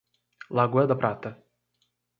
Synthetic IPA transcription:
lˠaɡujɛd̪apɾat̪ɛ

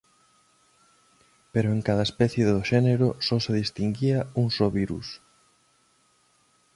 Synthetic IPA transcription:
peɾoeŋkaðɐespɛθjeðoʃɛneɾosɔseðist̪iŋɡiɐuŋsɔβiɾṵs

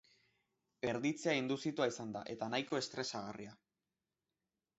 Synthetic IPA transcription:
e̞ɾðit͡seaend̪usit̪uaisand̪a̰ʔe̞t̪anajko̞e̞st̪ɾe̞saɣaria

